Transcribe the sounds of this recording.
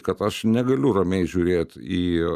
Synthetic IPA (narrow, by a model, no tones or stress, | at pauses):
kɐt̪ɐʃnʲɛɡɐlʲʊrɐmʲɛɪʒʲʊːɾʲeːt̪ʲiː